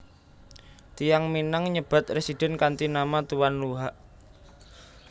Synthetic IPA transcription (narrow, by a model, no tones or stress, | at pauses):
t̪ijaŋminaŋɲəb̥a̤t̪̚resid̥ɛ̤nkant̪inamat̪uwanluɦaʔ